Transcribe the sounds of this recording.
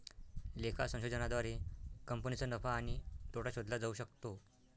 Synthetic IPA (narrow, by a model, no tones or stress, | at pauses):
lekʰasə̃w̃ɕod͡zənad̪ʋaɾekəmpənit͡sənəfaːɽ̃it̪oʈaɕod̪lad͡zauɕək̚t̪o